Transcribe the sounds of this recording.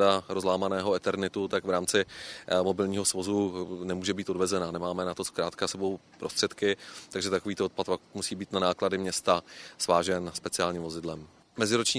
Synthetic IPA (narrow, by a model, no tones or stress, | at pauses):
daɾozlaːmanɛːɦoɛt̪ɛɾnɪt̪ut̪akvɾaːmt͡sɪmo̞bɪlɲiːɦo̞svo̞zunɛmuːʒɛbiːt̪odvɛzɛnanɛmaːmɛnat̪o̞skɾaːt̪kasɛbo̞wpɾost̪r̝̥ɛt̪kɪt̪aɡʒɛt̪akoviːt̪oot̪̚pat̪pamusiːbiːt̪nanaːkladɪmɲɛst̪asvaːʒɛnspɛt͡sɪaːlɲiːmvo̞zɪdlɛm | mɛzɪɾot͡ʃɲiː